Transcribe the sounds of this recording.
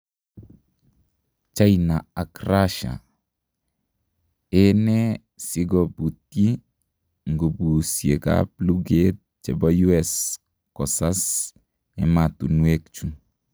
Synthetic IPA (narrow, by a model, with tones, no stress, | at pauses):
t͡ʃa˦jna˨a˨kraʃa̰˨ | ɛ˦nɛ˦ | si˦ɡɔ˨bu˨ti˦ | ŋɡo˨bu˨sje˨ka̰plu˦ɡet̚t͡ʃɛ˨bɔ˦ju˦ɛs | kɔ˨sa˦s | ɛ̰˨ma˨tu˨nwekt͡ʃu˦